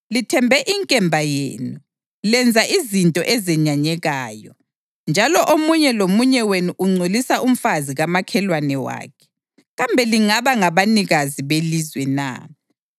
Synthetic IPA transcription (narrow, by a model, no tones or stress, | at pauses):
litʰɛmbʱɛʔiŋkʼɛmbʱajḛːnu | lɛnd͡zʱaʔizintʼɔʔɛzɛɲaɲɛɣaːjɔ | nd͡ʒʱalɔʔomuɲɛlomuɲɛwenuʔuŋ͡ǀʱolisaʔum̩faziɣamakʰɛlwanɛwa̰ːkʰɛ̥ | ɣambʱɛliŋaβaŋaβaniɣaziβelizwɛna̰